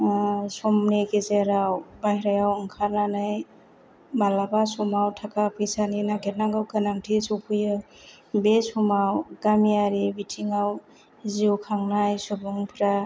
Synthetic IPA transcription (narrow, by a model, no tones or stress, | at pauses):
sɔmnekezeɾawbajɾajawɯŋkʰaɾnanaj | malabasɔmawtʰakapʰɯjsaninaɡetnaŋɡawkɯnaŋtʰisɔwpʰɯjɯ | besumawɡ̥amiaɾibitʰiŋaw | ziwkʰaŋnajsubuŋpʰɾa